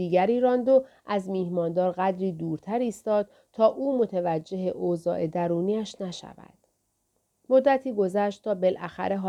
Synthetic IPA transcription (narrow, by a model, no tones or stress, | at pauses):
iːɡæɾiːɾɒːnd̪oʔæzmiːhmɒːnd̪ɒːɾɣæd̪ɾiːd̪uːɾt̪ʰæɾiːst̪ɒːd̪̥̚ | t̪ʰɒːʔuːmo̞t̪ʰevæd͡ʒːe̞ɦeʔozɒ̰ːʔe̞d̪æɾuːniːæʃnæʃæ̰væ̰d̪̥ | mo̞d̪ːæt̪ʰiːɡo̞zæʃt̪t̪ʰɒːbe̞lʔæxæ̰ɾe̞ɦɒː